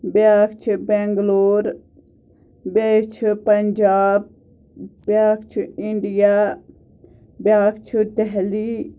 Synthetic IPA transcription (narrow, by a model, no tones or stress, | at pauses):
bjaːkt͡ʃʰibɛːŋɡloːɾ | beːkt͡ʃʰpɐɲd͡ʒaːb̚ | bjaːkt͡ʃʰiiɳɖijaː | bjaːkt͡ʃʰid̪ɛɦli